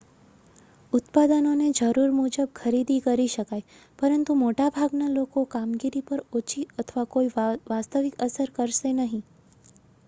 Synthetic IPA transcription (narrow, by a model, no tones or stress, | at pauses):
ʊt̪pad̪ənoned͡ʒəɾuɾmud͡ʒəb̚kʰəɾid̪ikəɾiʃəkaj | pəɾənt̪umoʈabʱaɡnalokokamɡiɾipəɾot͡ʃiət̪ʰʋakoiʋast̪əʋɪkəsəɾkəɾʃenəɦĩ